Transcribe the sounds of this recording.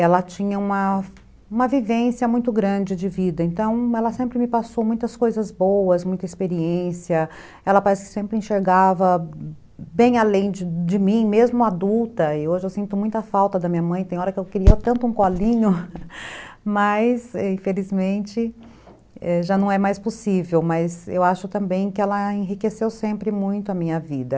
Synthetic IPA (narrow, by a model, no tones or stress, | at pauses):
ɛlɐt͡ʃĩɲɐũmɐ | ũmɐvivẽsjɐmũj̃t̪ʊɡɾɐ̃d͡ʒɪd͡ʒɪvid̪ɐẽnt̪ɐ̃w̃ɛlɐsẽmpɾɪmɪpasowmũj̃t̪ɐskojzɐzbowɐsmũj̃t̪ɐispeɾieẽsiɐ | ɛlɐpaɾɛsɪ̥kɪ̥sẽmpɾɪẽʃeɾɡavɐ | bẽj̃alẽj̃d͡ʒɪd͡ʒɪmĩmezmʊad̪uwt̪ɐɪoʒɪewsĩnt̪ʊmũj̃t̪ʊɐfawt̪ɐd̪ɐmĩɲɐmɐ̃j̃t̪ẽj̃ɔɾɐkɪewkɪɾiɐt̪ɐ̃nt̪ʊũkɔlĩɲʊ | mɐjsɛĩfelizmẽnt͡ʃɪ | ɛʒanɐ̃w̃ɛmajsposivewmɐzḛwaʃʊt̪ɐ̃mbẽj̃kɪɛlɐẽɦikesewsẽmpɾɪmũj̃t̪ʊɐmĩɲɐvid̪ɐ